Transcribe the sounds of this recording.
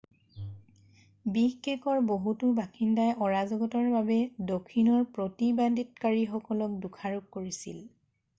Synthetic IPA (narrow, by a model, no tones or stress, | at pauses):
bixekɔɹboɦutubakindajʔɔɹazɔɡɔtɔɹbabɛdokʰːinɔɹpɹotibaditkaɹixɔkɔlɔk̚dukʰaɹuk̚koɹisḭl